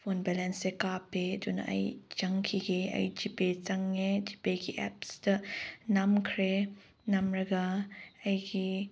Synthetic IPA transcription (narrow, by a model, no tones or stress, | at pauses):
fonbɛlɛnsekapeduna̰ʔɐ̰jt͡ʃɐŋkʰiɡea̰jd͡ʒipet͡ʃɐŋed͡ʒipeɡiʔɛ̰pstɐnamkʰɾe | namɾɐɡaɐjɡi